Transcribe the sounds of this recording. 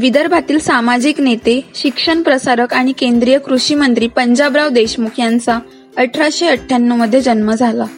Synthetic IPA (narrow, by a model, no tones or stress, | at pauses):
ʋid̪əɾbʱat̪iːlsamad͡ʑiːknet̪eɕikʂəɳpɾəsaɾəkaɽ̃ikend̪ɾijəkɾuɕiːmənt̪ɾiːpəɲd͡ʑabɾaʋd̪eɕmukʰjãnt͡sa | əʈʰɾaɕeəʈʰːanːəməd̪ʱːjed͡ʑənməd͡zʱala